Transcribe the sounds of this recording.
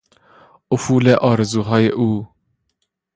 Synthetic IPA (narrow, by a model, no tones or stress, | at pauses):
ʊfuːleʔɒːɾezuːɦɑːjeʔuː